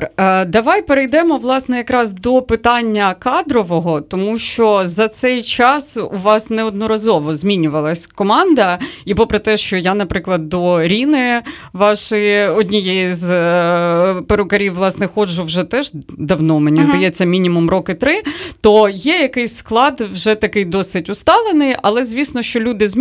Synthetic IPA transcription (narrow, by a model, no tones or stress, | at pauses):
d̪ɐʋɑjpeɾejd̪ɛmɔʋlˠɑsnɛjɐkɾɑzd̪ɔpɪt̪ɑnʲːɐkɑd̪ɾɔʋɔɦɔt̪ɔmuʃt͡ʃɔzɐt̪sɛjt͡ʃɑsṵʋɑsnɛɔd̪nɔɾɐzɔʋɔzʲmʲinʲʊʋɐlˠɐsʲkɔmɑnd̪ɐipɔpɾɛt̪ɛʃt͡ʃɔjanɐpɾɪklˠɐd̪ːɔɾʲinɪʋɑʃɔjiɔdʲnʲijɛjiz | peɾʊkɐɾʲiwʋlˠɑsnɛxɔd͡ʒʊwʒɛt̪ɛʒd̪ɐwnɔmenʲizd̪ɐjɛt͡sʲːɐmʲinʲimumrɔkɪt̪ɾɪt̪ɔjɛjɐkɪjsʲsklˠɑd̪wʒɛt̪ɐkɪjd̪ɔsɪtʲʊst̪ɑlˠenɪjɐlˠɛzʲʋʲisnɔʃt͡ʃɔlʲud̪ɪz